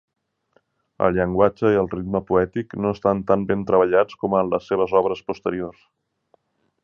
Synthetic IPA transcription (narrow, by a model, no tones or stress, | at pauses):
ə̰lˠʎəŋɡwad͡ʒəiəlˠrid̪məpuɛt̪iknoəst̪ant̪ambent̪ɾəβ̞əʎat͡skɔmənləsːeβ̞əzɔβɾəspust̪əɾiors